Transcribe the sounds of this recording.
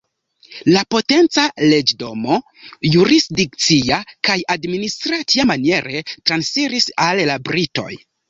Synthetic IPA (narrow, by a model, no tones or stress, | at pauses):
lapo̞te̞nt͡sale̞d͡ʒdo̞mo̞ | juɾisdik̚t͡siakajadministɾatiamanie̞ɾe̞tɾansfiɾisallabɾito̞̰j